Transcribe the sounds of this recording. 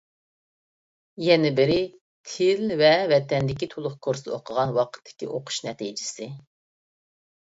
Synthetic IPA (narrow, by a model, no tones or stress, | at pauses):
jɛnɪbɪɾɪ | t̪ʰɪlvɛvɛt̪ʰɛnd̪ɪkʲit̪ʰolˠʊχkʰoɾsɨoqʰəʁɑnwɑqʰə̥t̪ʰːɪ̥kʲiʔoqʰʊ̥ʃnɛt̪ʰid͡ʒɪsɪ